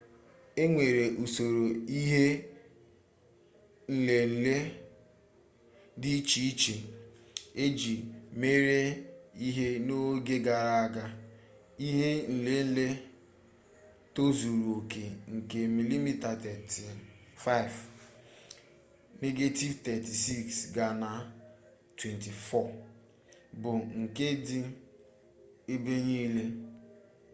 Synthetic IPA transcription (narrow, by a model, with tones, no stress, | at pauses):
e˦ŋʷe˨ɾe˨ʔu˨so˨ɾo˨i˦ɦe˦ | n̩˨le˨n̩˨le˦ | dɪ˦t͡ʃi˨i˦t͡ʃe˨ | e˦d͡ʒi˨me˦ɾe˦i˦ɦe˦no˦ɡe˦ɡa˨ɾa˦a˦ɡa˦ | i˦ɦe˦n̩˨le˦n̩˦le˦ | to˦zu˨ɾu˨o˨ke˨ŋ̩˨ke˨mi˨li˦mi˦ta˨tɛ˨ti˨fa˦˨ɪ˨v | ne˦ɡe˦ti˦vtɛ˨ti˨si˦ksɡa˨na˨ | twe˨nti˨fɔ˦˨ | bʊ˨ŋ̩˨ke˦dɪ˦ | e˦be˦ɲiː˦le˦